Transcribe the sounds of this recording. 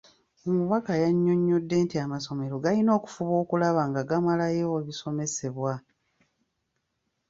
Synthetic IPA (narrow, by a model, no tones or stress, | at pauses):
omuβakajaɲːo̞ɲːo̞dːe̞ːntiamaso̞me̞ɾo̞ɡalino̞ːku̥fuβo̞ːkulaβaːŋɡaɡamalajeoβiso̞me̞se̞βwa